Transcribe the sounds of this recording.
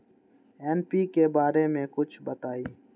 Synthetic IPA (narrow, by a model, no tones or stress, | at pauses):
eːnpiːkeːbaːɾeːmẽːkʊt͡ʃʰbət̪aːiː